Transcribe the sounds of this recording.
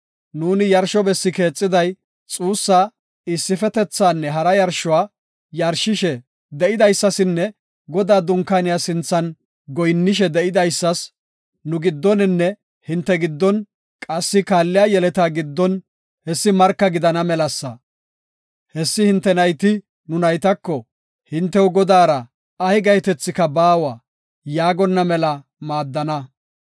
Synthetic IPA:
nuːnɪjɐɾʃɔbɛsːɪke̞ːt͡sʼːɪd̪ɐj | t͡sʼuːsːaː | ɪsːɪfɛt̪ɛt͡sːaːnːɛɦɐɾɐjɐɾʃɔwaː | jɐɾʃɪʃɛ | d̪ɛʔɪd̪ɐjsːɐsɪnːɛ | ɡɔd̪aːd̪ʊŋkːanɪjasɪnt͡sːɐn | ɡɔjnːɪʃ̬ɛd̪ɛʔɪd̪ɐjsːɐs | nʊɡɪd̪ːɔnɪnːɛ | hɪnt̪ːɛɡɪd̪ːɔn | kʼɐsːɪkaːlːɪjaːjɛlɛt̪aːɡɪd̪ːɔn | hɛsːɪmɐɾkːɐɡɪd̪ɐnɐmɛlɐsːɐ | hɛsːɪhɪnt̪ːɛnɐjt̪ɪ | nʊnɐjt̪ɐkːɔ | hɪnt̪ːɛwʊɡɔd̪aːɾɐ | ɐhɪɡɐjt̪ɛt͡sːɪkɐbaːwa | jaːɡɔnːɐmɛlɐ | maːd̪ːɐnɐ

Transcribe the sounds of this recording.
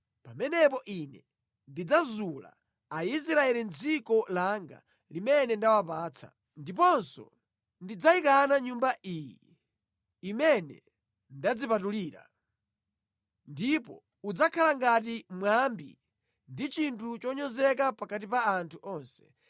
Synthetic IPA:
pamɛnɛpɔʔinɛ | ndid͡zazula̰ | ais̬ɾaɛlind͡zikɔlaŋɡa̰ | limɛnɛndawap̬aːt͡sʰa̰ | ndip̬ɔnsɔ̰ | ndid͡zaikanaɲumbaʔijḭː | mɛnɛ̰ | ndad͡zipatuliːɾa̰ | ndipɔ | ud͡zakʰalaŋɡat̬imwambḭ | ndit͡ʃintʰut͡ʃɔɲɔzɛk̬apakat̬ipaːntʰuʔɔnsɛ̥

